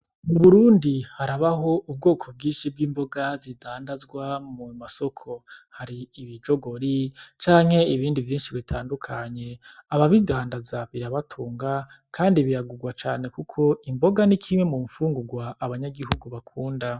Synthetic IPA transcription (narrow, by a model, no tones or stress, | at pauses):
uβuɾuːndihaɾaβaɦo̞ub̚ɡo̞ːkʰo̞b̚ɡiːnʃib̚ɡiːmbo̞ɡazidaːndazɡwamumaso̞kʰo̞haɾiːβid͡ʒo̞ɡo̞ɾit͡ʃaːŋ̥he̞iβiːndivjiːnʃiβitʰaːndukʰaɲe̞aβaβidaːndazaβiɾaβatʰuːŋɡa | kʰaːndiβiɾaɡuɡwat͡ʃaːne̞kukʰo̞imbo̞ɡanikʰimwe̞mumfuːŋɡuɡwaːβaɲaɡiɦuɡuβakʰuːnda